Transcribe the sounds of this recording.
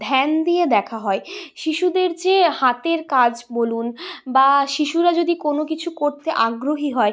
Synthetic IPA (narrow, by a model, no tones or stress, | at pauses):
d̪ʱɛnd̪ijed̪ɛkʰaɦɔeʃiʃud̪eɾd͡ʑehat̪eɾkad͡ʑbolunbaʃiʃuɾad͡ʑod̪ikonok̬it͡ɕʰukoɾt̪eʔaɡɾoɦiɦɔe